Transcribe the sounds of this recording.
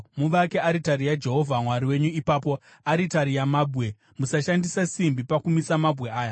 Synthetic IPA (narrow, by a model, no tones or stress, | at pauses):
muʋakeaɾitaɾijad͡ʒe̞ɦo̞vʱamwaɾiwe̞ɲuipaːpo̞ | aɾitaɾijamabʱɣe̞ | musaʃandisasimbipakumisamabʱɣe̞aːja